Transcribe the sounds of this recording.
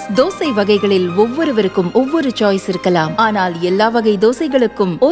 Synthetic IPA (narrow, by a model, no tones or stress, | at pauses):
d̪oːsɐɪʋɐɣɐɪɣɐɭɪlɔʋːɔɾɯʋɐɾɯkːɯmɔʋːɔɾɯt͡ʃaːjsɪɾɯkːɐlaːmaːnaːlɛlːaːʋɐɣɐɪd̪oːsɐɪɣɐɭɯkːɯmɔ